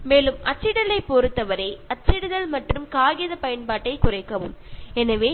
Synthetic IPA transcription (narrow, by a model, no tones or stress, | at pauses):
meːlɯmɐt͡ʃːɪɽɐlɐɪpːoːɾɯt̪ːɐʋɐɾɐɪɐt͡ʃːɪɽɯðɐlmɐʈrɯmkaːɣɪjɐðɐpɐjɐnpaːʈːɐɪkʊrɐɪkːɐʋɯmɛnɐʋeː